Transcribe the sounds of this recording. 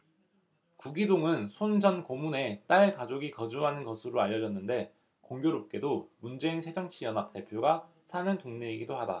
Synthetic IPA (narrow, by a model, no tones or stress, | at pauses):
kuɡidoŋɯnsʰond͡ʑʌnkomune̞t͈aɭkad͡ʑoɡikʌd͡ʑuɦanɯnɡʌsʰɯɾoaʎːʌd͡ʑʌnːɯnde̞ | koŋɡjoɾop̚k͈e̞domund͡ʑe̞insʰe̞d͡ʑʌŋt͡ɕʰijʌnɦap̚t͈e̞pʰjoɡa | sʰanɯntoŋɲeiɡidohada̰